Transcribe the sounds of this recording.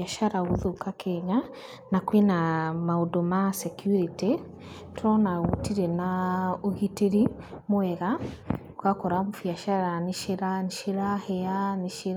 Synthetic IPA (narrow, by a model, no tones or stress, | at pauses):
aʃaɾaɣoðokakʰɛɲa | nakwenamaodomasɛkjuɾite | tʰɔnaɣutiɾɛnaoɣiteɾimwɛɣa | kakɔɾamofjaʃaɾaniʃeɾanʃeɾahɛaneʃeɾ